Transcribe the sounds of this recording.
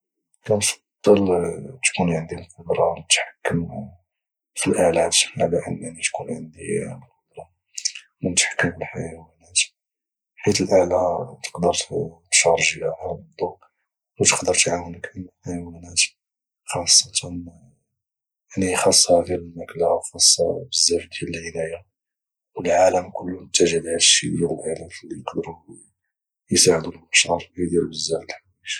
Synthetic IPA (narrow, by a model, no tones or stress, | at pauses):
kænfɑ̥d̪̥ˤːəlt̪kunʕənd̪ilqod̪ɾˤɑnət̪ħḁkːəm | filʔælæt̪ʕalæʔə̰nːaʕnit̪kunʕənd̪ḭləlq̚od̪ɾˤɑ | mənət̪ħḁkːəmfilħajæwænæt̪ | ħit̪əlʔalat̪ə̥qd̪əɾʃɑɾˤʒəjahɑbd̪ˤu | ut̪ə̥qd̪əɾˤt̪ʕawənəkʔənħajwænæt̪ | xɑsˤːɑt̪ʰɑn | ʕnixɑsˤːhæd̪iɾlmæklawxɑsˤːɑ̰bəzːæfd̪jælːlæjːa | wəlʕaləmkʊlːumət̪ːæʒəlhalʃid̪jiɾəlʔaʕlæmflːijəqd̪əɾu | jsaʕəd̪ulʔəʃʕɑɾˤid̪iɾbəzːæfd̪ħ | iʃ